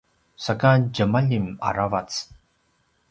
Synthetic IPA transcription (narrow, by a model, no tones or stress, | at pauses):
sakad͡ʒəmaʎima̰ɾavat͡s